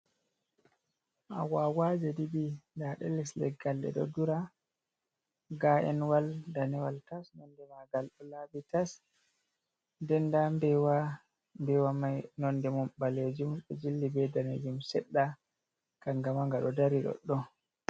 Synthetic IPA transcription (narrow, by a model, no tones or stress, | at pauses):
ʔa̰wawad͡ʒɛdibindaɗɛlːislɛ̰ɡalɗɛ̰ɗɔ̰duɾa | ɡaʔɛnwaldanɛwaltasnɔndɛmaɡalɗɔlabitas | ndɛndambɛwa | mbɛwamajnɔndɛmɔmɓaled͡ʒumɗɔ̰d͡ʒilːibɛdanɛ̰d͡ʒumsɛɗːa | kaŋɡamaŋɡaɗɔdaɾiɗɔ̰ɗːɔ